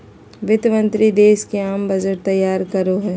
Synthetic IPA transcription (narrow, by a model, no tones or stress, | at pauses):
ʋɪt̪mə̃nt̪ɾid̪eːskeaːmbɐd͡ʒəɾt̪ɐjːaːɾkɐɾoɦɛː